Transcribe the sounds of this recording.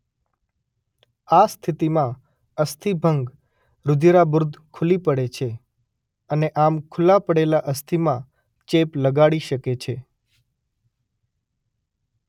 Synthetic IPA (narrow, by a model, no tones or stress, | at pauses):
ast̪ʰit̪imã | əst̪ʰibʱəŋɡ | ɾʊd̪ʱiɾabɾʊd̪ʱkʰulipəɽet͡ʃʰe | əneʔamkʰʊlapəɽelaʔəst̪ʰimã | t͡ʃepləɡaɽiʃəket͡ʃʰe